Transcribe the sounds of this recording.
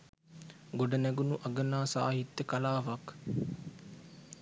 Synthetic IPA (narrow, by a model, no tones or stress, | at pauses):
ɡoɖənɛɡunuʔɐɡənaːsa̰ːɦit̪ːəkalaːʋak